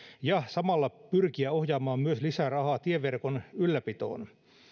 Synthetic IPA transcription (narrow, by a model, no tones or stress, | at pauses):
jɑsɑmɑlːɑpyrkiæohjɑːmɑːmmyøslisærɑhɑːt̪ieʋːerkonylːæpit̪o̰ːn